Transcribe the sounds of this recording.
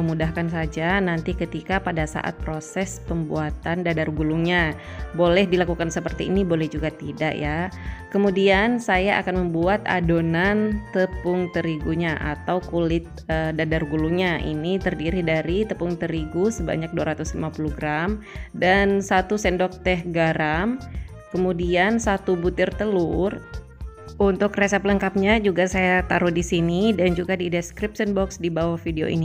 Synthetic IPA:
əmudahkansad͡ʒanant̪ikət̪ikapadasa̰ʔa̰t̪̚pɾosɛspəmbṵat̪andadarɡuluŋɲa | bolɛhdilakukansəpərt̪iːnibolɛhd͡ʒuɡat̪ida̰ʔjakəmudiansajaʔa̰kanməmbuat̪a̰donant̪əpʊŋt̪əɾiɡuɲaʔa̰t̪awkulɪt̪̚ədadarɡuluŋɲaʔḭnit̪ərdiɾidaɾit̪əpʊŋt̪əɾiɡusəba̰ɲak̚duaɾat̪ʊslimapuluɡɾamdansat̪usɛndɔk̚t̪ɛɦɡaɾam | kəmudiansat̪ubut̪ɪrt̪əlʊr | ʔunt̪ʊkresɛpələŋkap̚ɲad͡ʒuɡasajat̪aɾudisinidand͡ʒuɡadidskɾip̚sənbɔksdibawahfideo̰ʔḭni

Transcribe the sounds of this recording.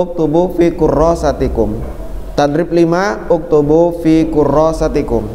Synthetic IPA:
ʊk̚t̪ubufikurɔsat̪ikʊm | t̪adɾip̚limaʊk̚t̪ubufikurɔsat̪ikʊm

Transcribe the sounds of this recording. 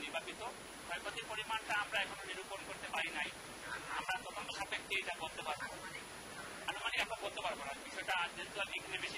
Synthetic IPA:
niɾbʱapit̪o | hɔjkot̪iɾpoɾimanʈaamɾaɛkʰononiɾuponkoɾt̪epaɾinaj | a̰mɾat̪ɔt̪onoʃat̪ekːeejʈabɔd̪ʱobaɾbo | anumaniamabɔd̪ʱobaɾbonabiʃɔeʈad͡ʑent̪ualekʰanebeʃi

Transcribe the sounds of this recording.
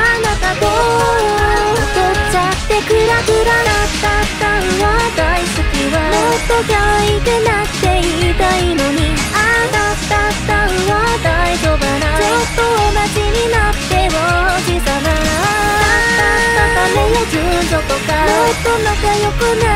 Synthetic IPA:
nat̪ad̪ootot͡ɕakt̪e̞kɯɾaɡɯɾanḁt̪ḁt̪aɯβad̪aisɨkʲiβaot̪ːokʲaik̪ena | t̪e̞iit̪ainoɲ̟i | anḁ | t̪at̪aɯβad̪aid͡ʑod̪anamot̪ːoonaʑiɲinat̪ːe̞waɡɯt̪anaat̪at̪at̪amenod͡ʑɯnd͡ʑot̪okamot̪ːonakajokɯna

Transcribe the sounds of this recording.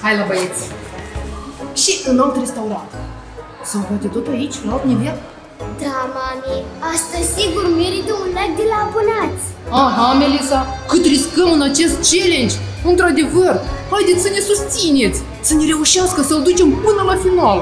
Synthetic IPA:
hajlabajet̪sʲ | ʃiʔɨnat̪re̞st̪auɾant̪ | səɡat̪et̪ot̪ait͡ʃʲlaalt̪nevia | d̪amamiast̪əzʲsiɡurmeɾit̪əunlak̚d̪elaːbonat̪sʲ | aɦamelisakɨt̪riskəmɨnat͡ʃe̞st̪̚t͡ʃe̞le̞nd͡ʒʲ | ɨnt̪ɾad̪e̞vərhajd̪et̪sʲsəne̞sust̪sine̞t̪sʲ | səne̞ɾe̞uʃiaskəsəld̪ut͡ʃe̞mpɨnəlafinualə

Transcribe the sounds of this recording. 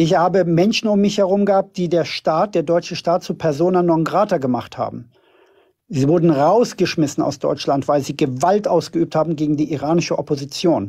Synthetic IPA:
ʔɪçhaːbəmɛnʃn̩ʊmːɪçhɛʁʊmɡəhaːp̚t̚d̥iːdeːɐʃtaːt̚d̥eːɐdɔʏt͡ʃəʃtaːt̚t͡suːpʰɛɐzoːnanːɔŋɡʁaːtɐɡəma̰χtha̰ːbm̩ | ziːvʊɐdn̩ʁaʊsɡ̥əʃmɪsn̩a̰ʊsd̥ɔ̰ʏt͡ʃlantv̥aɪlziːɡəvaltʔaʊsɡ̥əyːp̚thaːbm̩ɡeːɡŋ̩diːʔiʁaːnɪʃəʔɔpozit͡sjoːn

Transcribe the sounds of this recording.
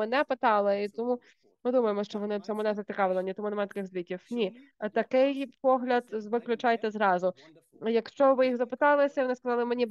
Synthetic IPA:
ɛnɛpɪt̪ɑlˠɪit̪ɔmu | mɨd̪umɐjemɔʃɔʋɔnɪsʲɔmɛnɛzɐt͡s̪ʲɪkɑʋɨlˠnʲit̪ɔmunɐmɛt̪kɪɣzʋʲikʲiwnʲi | t̪ɐkɪjpɔɦlʲɐd̪zʋɪklʲʊt͡ʃajt̪ɛzɾɑzʊ | jɐkʃt͡ʃɔʋɪjixzɐpɪt̪ɑlˠɪsʲɐiʋɔnɪskɐzɑlˠɪmenʲib

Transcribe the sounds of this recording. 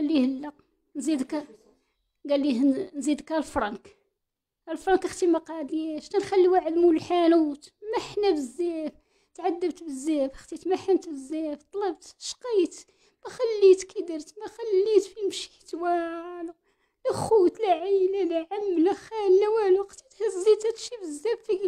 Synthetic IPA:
lːihəlːɑq | nzid̪k | ɡælːihnzid̪kælfɾˤɑnk | ælfɾˤɑnkəxt̪imɑqɑd̪jæʃt̪ænxælːiwaʕəd̪muləlħanuːt̪mæħnæbəzːæf | t̪ʕad̪ːəbt̪bəzːæfəxt̪it̪mæħəmt̪bəzːæft̪ˤɑlɑbt̪ʃqit̪ | mæxælːit̪kəd̪əɾt̪mæxælːit̪fimʃi̥t̪wæl | læxut̪læʕəjlælæʕamːlæxænlæwæluqt̪i̥t̪hæzːit̪æt̪ʃibəzːæbfiɡ

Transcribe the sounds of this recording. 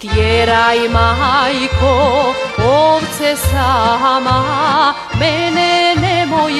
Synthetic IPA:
t̪jeɾajmaɦajko | oβt͡sesaɦamaɦa | menenemoj

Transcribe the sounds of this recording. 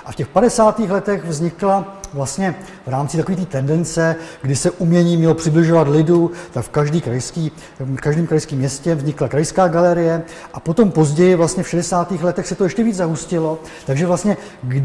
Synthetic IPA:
ʔafcɛxpadɛsaːt̪iːxlɛt̪ɛxvzɲɪklavlast̪ɲɛ | vɾaːmt͡sɪt̪akoviːt̪iːt̪ɛndɛnt͡sɛɡdɪsɛʔumɲɛɲiːmɲɛlopr̝̥ɪblɪʒo̞vat̪lɪdut̪akfkaʒdiːkɾajskiː | kaʒdiːmkɾajskiːmːɲɛscɛvzɲɪklakɾajskaːɡalɛɾɪjɛ | ʔapo̞t̪o̞mpo̞zɟɛjɪvlast̪ɲɛfʃɛdɛsaːt̪iːxlɛt̪ɛxsɛt̪o̞jɛʃcɛviːd͡zzaɦuscɪlo̞ | t̪aɡʒɛvlast̪ɲɛ | ɡ

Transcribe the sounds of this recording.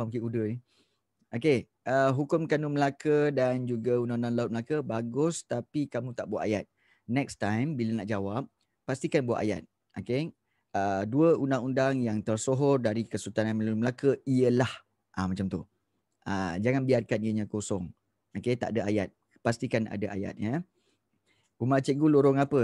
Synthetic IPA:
aukiudəni | ʔoke | əɦukʊmkanuməlakədand͡ʒuɡaundaŋundaŋlaʊt̪̚məlakəbaɡʊst̪apikamũt̪aʔbuaʔ̪ajat̪̚ | nɛkst̪ajmbilənaʔd͡ʒawap̚ː | ast̪ikanbua̰ʔ̪a̰ja̰t̪̚ | oke | əduəundaŋundaŋjaŋt̪ərsoɦɔrdaɾikəsut̪ananməl̚məlakəiəlah | ʔamãt͡ʃamt̪u | a̰d͡ʒaŋanbiarkaniəɲãkosɔŋ | oket̪a̰ʔadaaja̰t̪̚ | past̪ikana̰daʔa̰ja̰t̪̚jə | umat͡ʃeɡuloɾɔŋapə

